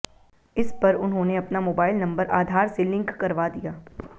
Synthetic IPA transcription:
ɪspɐɾʊnɦõːneɐpnamoːbaːɪlnɐ̃mbəɾʔaːd̪ʱaːɾselɪ̃ŋkːɐɾʋad̪ijaː

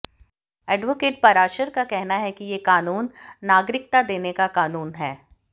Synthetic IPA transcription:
ɛːɖʋokeːʈ̚pɐɾaːʃəɾkakɛɦnaɦɛkijekaːnuːnːaːɡɾɪk̚t̪ad̪eːnekakaːnuːnɦɛː

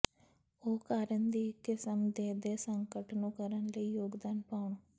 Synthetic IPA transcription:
oːkaːɾənd̪iːkɪsəmd̪eːd̪eːsəŋkəʈnũːkəɾənləiːjoːɡd̪aːnpaːʊɳoː

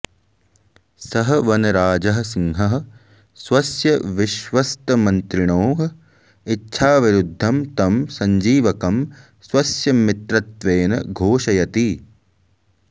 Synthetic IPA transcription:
sɐɦɐ̆ʋɐnɐɾaːd͡ʒɐɦɐ̆siŋɦɐɦɐ̆ | sʋɐsjɐʋiʃʋɐst̪ɐmɐnt̪ɾiɳoːɦɐ | itːʃʰaːʋiɾud̪ʱːɐmt̪ɐmsɐɲd͡ʒiːʋɐkɐm | sʋɐsjɐmit̪ɾɐt̪ʋeːnɐ̰ɡʱoːʃɐjɐt̪i

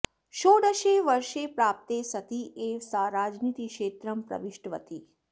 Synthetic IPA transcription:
ʃoːɽəʃeʋəɾʃepɾaːp̚t̪esɐt̪ieʋsaːɾaːd͡ʒniːt̪ikʃeːt̪ɾəmpɾɐ̰ʋiʃʈʋə̰t̪i

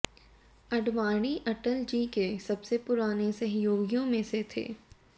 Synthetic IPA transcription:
ɐɖʋaːɽ̃iʔɐʈəld͡ʒiːkesɐbsepʊɾaːnesɐɦɪjoːɡjõmẽset̪ʰḛː

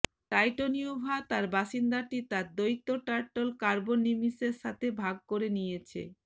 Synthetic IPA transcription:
ʈajʈoniobʱat̪aɾbaʃind̪aʈit̪aɾd̪ojt̪ːoʈaɾʈolkaɾbonimiseɾʃat̪ʰebʱaɡ̚koɾenijet͡ɕʰḛ

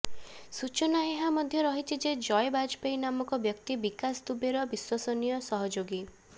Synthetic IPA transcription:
sut͡ʃɔnaeɦamɔd̪ʱjɔɾɔɦit͡ʃʰid͡ʒed͡ʒɔjbad͡ʒpejnamɔkɔbjɔkt̪ibikasd̪ubeɾɔbiswasɔnijɔsɔɦɔd͡ʒoɡi

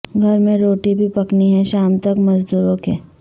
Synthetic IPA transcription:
ɡʱɐɾmẽɾoːʈibʱipɐkniɦɛ̃ʃaːmt̪ɐkmɐzd̪uːɾõke

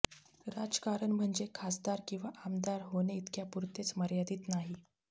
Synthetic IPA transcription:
ɾad͡zkaɾəɳm̤əɳd͡zekʰasd̪aɾkĩw̃ʋaʔamd̪aɾɦoneit̪kjapuɾt̪et͡sməɾjad̪iːt̪naɦi

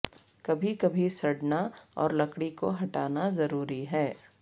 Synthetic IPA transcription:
kɐbʱikɐbʱisɐɽnaɔ̰ːɾlɐkɽiko̰ɦɐʈaːnazɐɾuːɾiɦɛː

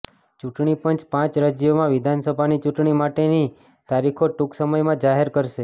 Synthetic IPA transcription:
t͡ʃuʈɳipənt͡ʃpãt͡ʃɾad͡ʒjomãʋɪd̪ʱansəbʱanit͡ʃuʈɳimaʈeni | t̪aɾikʰoʈuksəməjmãd͡ʒaɦeɾkəɾʃe

